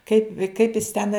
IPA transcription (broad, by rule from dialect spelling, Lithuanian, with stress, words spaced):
kɐɪp kɐɪp jɪs tʲɛn